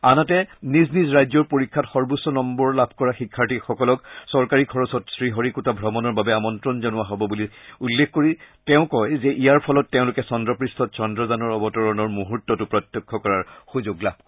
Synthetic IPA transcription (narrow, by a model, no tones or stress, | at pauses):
anatɛniznizɹajzɔɹpoɹikʰːatxɔɹbusːɔnɔmbɔɹlabʱkɔɹaxikʰːaɹtixɔkɔlɔksɔɹkaɹikʰɔɹɔsɔtsɹiɦɔɹikutabʱɹɔmɔnɔɹbabɛamɔntɹɔnzɔnʊaɦɔbɔbuliulːekʰkoɹiteʊ̃kɔjzɛʔijaɹpʰɔlɔtːeʊ̃lʊkɛsɔndɹɔpɹistʰɔt̚sɔndɹɔzanɔɹɔbɔtɔɹɔnɔɹmuɦutːɔtupɹɔtjɔkʰːɔkɔɹaɹxuzoɡlab̚ʱ